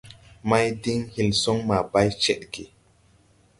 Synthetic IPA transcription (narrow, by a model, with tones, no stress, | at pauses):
ma˦jdi˦ŋhi˨lso˦ŋma˨ba˦jt͡ʃɛ˦ɗke˨